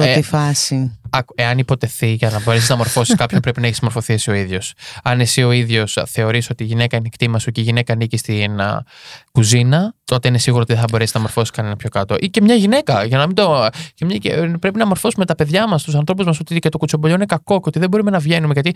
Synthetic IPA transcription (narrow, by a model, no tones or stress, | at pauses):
pɾoifɐsiɐke̞ɐnipo̞t̪e̞θiʝɐnɐbo̞ɾesiznɐmo̞ɾfosiskɐpço̞mpɾe̞pinɐeçismo̞ɾfo̞θiesio̞iðʝo̞sɐne̞sio̞iðʝo̞sθe̞o̞ɾiso̞t̪iːʝine̞kɐinekt̪imɐsoceiʝine̞kɐnicist̪in | kuzinɐt̪o̞t̪e̞ine̞siɣuɾot̪iðeθɐbo̞ɾeiznɐmo̞ɾfo̞siskɐne̞nɐpço̞kɐt̪o̞ʔice̞mɲɐʝine̞kɐʝɐnɐmind̪ocemɲɐepɾe̞p̬inɐmo̞ɾfo̞sume̞t̪ɐpe̞ðʝɐmɐst̪us̬ɐnθɾo̞puzmɐso̞t̪icet̪okut͡so̞bo̞ʎoinekɐko̞ceot̪iðe̞bo̞ɾume̞nɐvʝe̞numeʝɐt̪i